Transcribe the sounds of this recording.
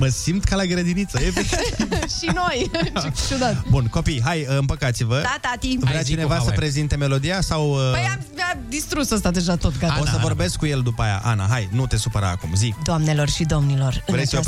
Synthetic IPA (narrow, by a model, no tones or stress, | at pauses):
məsimt̪kalaɡɾəd̪init̪səjepeiiʃino̞jt͡ʃud̪at̪bunko̞pijɦajɨmpəkat̪sivəd̪at̪at̪ivɾeat͡ʃt͡ʃinevasəpɾe̞zint̪e̞me̞lo̞d̪ijasawəəjavad̪ist̪ɾusost̪ad̪e̞ʒat̪o̞t̪ɡat̪oasəvo̞rbe̞skːuje̞ld̪upaja̰ʔana̰ɦajnut̪e̞supəɾa̰ːkumzid̪oamne̞lo̞rʃid̪o̞mnilo̞rvɾesia